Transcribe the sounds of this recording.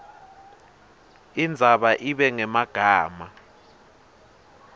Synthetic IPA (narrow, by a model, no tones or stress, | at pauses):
ind͡zʱaɓaʔiɓɛŋɛmaɡ̥ʱaːma